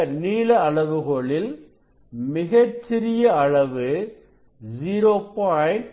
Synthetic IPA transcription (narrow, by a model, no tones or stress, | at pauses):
ɐɾniːlɐɐɭɐʋɯɣoɭɪl | mɪɣɐt͡ʃːɪɾɪjɐɐɭɐʋɯ | d͡ʒiːɾoːpaɪn